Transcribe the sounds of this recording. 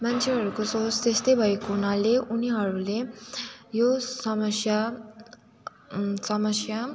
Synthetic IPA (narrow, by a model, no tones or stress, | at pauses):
mant͡sʰeɦʌɾukosot͡st̪est̪ʌjbʱʌekounaleuniɦʌɾule | josʌmʌsja | sʌmʌsja